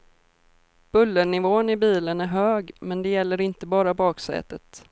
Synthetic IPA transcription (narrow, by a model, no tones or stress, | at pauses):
b̥ɵlːəɳɪvoːnɪbiːlənæɾɦøːɡmɛnd̪ɛjɛlːəɾɪnt̪əbɑːɾabɑːksɛ̰ːt̪ət̪